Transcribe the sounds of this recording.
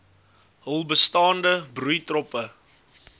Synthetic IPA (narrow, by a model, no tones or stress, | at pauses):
ɦəlˠbəstɑːndəbrujtrɔpə